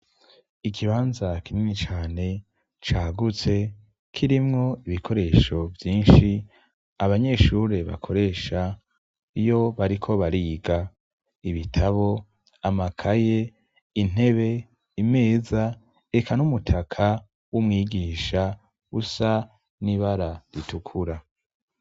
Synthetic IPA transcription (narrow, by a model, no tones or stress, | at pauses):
ikʰiβaːnzakininit͡ʃaːne̞ | t͡ʃaːɡut͡se̞ | kʰiɾimŋo̞iβikʰo̞ɾe̞ːʃo̞vjiːnʃi | aβaɲe̞ʃuːɾe̞βa̰kʰo̞ɾe̞ːʃa | ijo̞βaɾikʰo̞βaɾiːɡa | iβitʰaβo̞ | amakʰaje̞ | in̥e̞βe̞ | ime̞ːza | ekʰanumutʰakʰa | wumŋiːɡiːʃa | usa | niβaɾaɾitukʰuɾa